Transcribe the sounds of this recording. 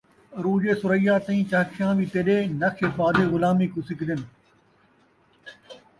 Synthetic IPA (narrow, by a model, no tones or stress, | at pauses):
ɾuːd͡ʒeːsʊɾəijaːt̪ɐ̃ĩːt͡ʃaːkʰjãːʋiːt̪eɗeːnɐkʰebaːd̪eɣʊlaːmiːkusɪkd̪ɪn